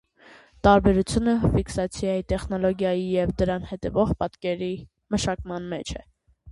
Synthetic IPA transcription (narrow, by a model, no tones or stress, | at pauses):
t̪ɑɾbɛɾut͡sʰjunəfiksɑt͡sʰjɑjit̪ɛχnɔlɔɡjɑjijɛvd̪əɾɑnhɛt̪ɛvɔʁpɑt̪kɛɾi | məʃɑkmɑnmɛt͡ʃʰɛ